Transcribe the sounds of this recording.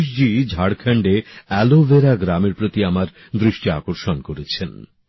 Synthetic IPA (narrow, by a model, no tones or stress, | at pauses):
ʃd͡ʑid͡ʑʱaɽkʰɛɳɖeɛloveɾaɡɾameɾpɾot̪iamaɾ | d̪ɾiʃʈia̰koɾʃonkoɾet͡ɕʰen